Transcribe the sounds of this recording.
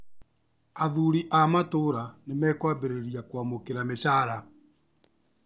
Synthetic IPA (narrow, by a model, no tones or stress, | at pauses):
aðuɾiʔamatoɾanemɛkwabeɾeɾiakwamokeɾameɕaːɾa